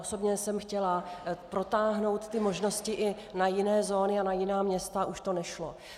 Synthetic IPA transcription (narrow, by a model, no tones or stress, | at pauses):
ʔoso̞bɲɛsɛmxcɛlapɾo̞t̪aːɦno̞wt̪t̪ɪmo̞ʒno̞scɪʔɪ | najɪnɛːzo̞ːnɪanajɪnaːmɲɛst̪aʔuʃt̪o̞nɛʃlo̰